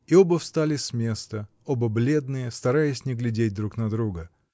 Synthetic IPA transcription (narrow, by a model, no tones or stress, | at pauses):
ɪo̞bəfst̪alʲɪsʲmʲe̞st̪ə | obəblʲe̞d̪nɨjəst̪ɐɾajɪsʲnʲɪɡlʲɪdʲet̚ʲd̪ɾuknɐd̪ɾuɡə